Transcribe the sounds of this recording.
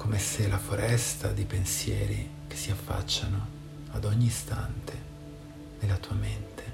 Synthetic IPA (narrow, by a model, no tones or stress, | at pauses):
komeselafoɾɛst̪ad̪ipensjɛːɾike̥sːiafːa̰t͡ʃːano | ad̪ɔɲːiːst̪a̰nt̪ʰe | nelːat̪uːament̪ʰe̥